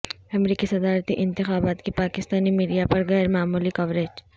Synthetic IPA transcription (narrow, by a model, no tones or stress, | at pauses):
ɐmɾiːkisɐd̪aːɾt̪iʔɪ̃nt̪ɪxaːbaːt̪kipaːkɪst̪aːnimiːɖijapɐɾɣɛːɾmaːmuːlikɐʋɾeːd͡ʒ